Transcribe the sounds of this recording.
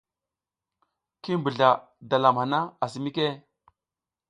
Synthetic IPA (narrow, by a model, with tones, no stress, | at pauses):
ki˦mbu˨ɮa˨ | da˨la˨mha˨na˦a˨s̬i˨mi˦ke˦˨